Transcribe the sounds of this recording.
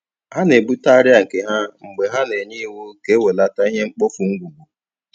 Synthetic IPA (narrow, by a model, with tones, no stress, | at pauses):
ha˦ne˨bu˦ta˦ɾɪ˦a˨ke˨ɦa˦ŋ͡m̩˨ɡ͡be˨ɦa˦ne˨ɲi˦wu˦ke˦we˨la˦ta˦i˦ɦe˦ŋ͡m̩˦k͡po˦fu˨ŋ̩˦ɡʷu˨ɡ͡bu˨